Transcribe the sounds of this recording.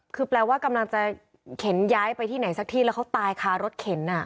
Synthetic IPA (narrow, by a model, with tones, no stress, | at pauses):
kʰɯː˧plɛː˧waː˥˩ka˧mla˧ŋt͡ɕa˨˩ | kʰe˩˦njaː˦˥jpa˧jt̪ʰiː˥˩na˩˦jsa˧˥k̚t̪ʰiː˥˩lːwka˦˥wt̪aː˧jkʰaː˧ɾo˦˥t̪̚kʰe˩˦nʔa˧˩